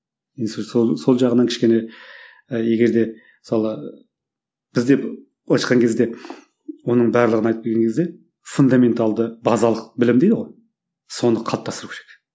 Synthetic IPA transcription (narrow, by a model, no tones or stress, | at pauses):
inssoso̞lˠʒɑʁənɑnkʲʰɪ̥ʃkʲe̞ne̞ | je̞ɡʲe̞ɾd̪e̞ | mɪsɑlˠə | b̥ɪzd̪e̞p | ɑʃqɑŋkʲʰe̞zd̪e̞ | wo̞nəɴbæɾlˠəʁənɑjt̪əpkʰʲeɾɡʲeŋkʰezd̪e̞ | fund̪ɑme̞nt̪ɑlˠd̪əbɑzɑlˠəqbɪlɪmd̪ed̪əʁo̞j | so̞nəqʰɑlˠəpt̪ɑst̪əɾukʲʰeɾek